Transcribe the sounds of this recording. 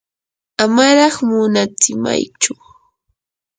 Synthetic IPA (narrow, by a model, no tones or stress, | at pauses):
amaɾɑχmʊnat͡sɪma̰jt͡ʃʊ